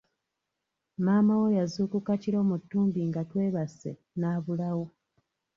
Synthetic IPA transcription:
maːmawo̞jazuːkukaciɾo̞ːmutːuːmbiŋɡatwe̞ːβase̞̰ | naːβulawo

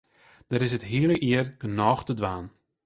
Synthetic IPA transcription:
d̥əɾɪsətɦiələʔiərɡ̥ənɔːxtədʋaːn

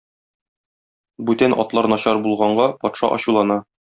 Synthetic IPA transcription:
bʉt̪ænʔɒ̰t̪lˠɑɾnɒɕɑɾbulˠʁɑɴɢɑpɒt̪ʃɑ̰ʔɒ̰ɕulˠɑnɑ

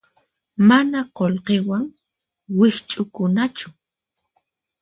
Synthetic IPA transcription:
manaqolqewaŋ | wɪht͡ʃʼʊkʊnat͡ʃʊ̥

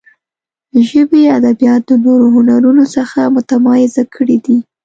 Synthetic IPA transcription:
d̪əʒəbiad̪abijɑt̪̚d̪ənoɾoɦʊnaɾunosəxamʊt̪amɑjɪzakʰəɽid̪i

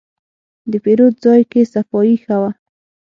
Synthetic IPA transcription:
d̪əpeɾod̪̚zɑjkesafɔjixawa

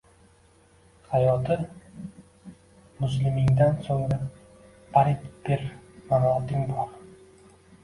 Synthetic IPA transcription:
hajɒt̪ʰɪ | mʊslɪmɪŋd̪ansoŋɾa | pʰaɾɪt̪beɾmaɾɒt̪ɪŋbɒɾ

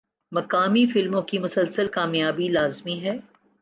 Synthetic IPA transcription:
mɐkaːmifɪlmõkimʊsəlsəlkaːmjaːbilaːzmiɦɛː

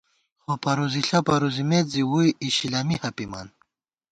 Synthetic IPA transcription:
χopɐɾuziɬapɐɾuzimet̪ziwujiɕilamihɐpima̰n

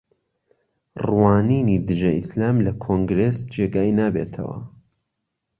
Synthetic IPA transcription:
rwaːniːnid̪ɨʒɐʔislaːmlɐkʰoŋɡɾeːsd͡ʒeːɡaːinaːbeːt̪ʰɐ̰wɐ̰

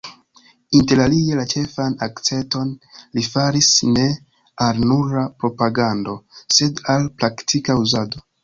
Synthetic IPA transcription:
inte̞ɾalie̞lat͡ʃe̞fanakt͡se̞to̞nlifaɾisne̞ | aɾnuɾapɾo̞paɡando̞se̞dalpɾaktʰikauzado̞

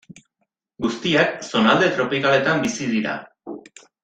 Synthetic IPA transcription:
ɡust̪iakso̞nald̪e̞t̪ɾo̞pikale̞t̪ambisið̞iɾa̰

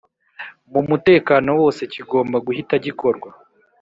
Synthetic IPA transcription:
mumute̞ːkaːno̞wo̞ːse̞ciɡo̞ːmbaɡuhitaɟiko̞ɾɡwa

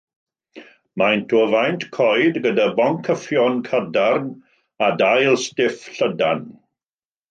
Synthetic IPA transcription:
majntʰɔvajntʰkʰɔjdɡədabɔŋkʰəfjɔnkʰədarn | adajlˠstɪfɬədan

